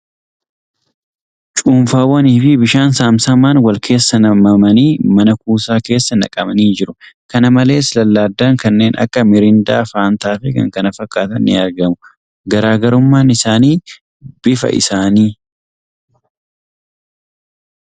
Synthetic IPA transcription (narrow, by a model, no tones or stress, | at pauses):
t͡ʃʼuːmfaːwɐniːfɪbɪʃaːnsaːmsɐmaːnwɐlkʰe̞ːsːɐnɐmɐmɐniːmɐnɐkuːsaːke̞ːsːɐnɐ̰kʼɐmɐniːd͡ʒɪɾʊkɐnɐmɐle̞ːslɐlːaːd̪ːaŋkɐnːe̞ːnɐ̰kːɐmɪɾɪnd̪aːfaːnt̪aːfɪkɐ̰ŋkɐnɐfɐkʼːaːt̪ɐnʔɪɐɾɡɐmʊ | ɡɐɾaːɡɐɾʊmːaːnɪsaːniː | bɪfɐ̰ʔɪ̰saːniː